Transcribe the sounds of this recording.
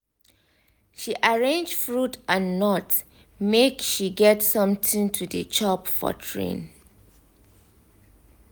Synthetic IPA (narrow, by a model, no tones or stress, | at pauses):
ʃiʔaɹẽnd͡ʒfɹutãnːɔt | mekʃiɡɛtsʌ̃mtĩŋtʰudə̰t͡ʃʰɔpfɔ̰tʰɹḛ̃n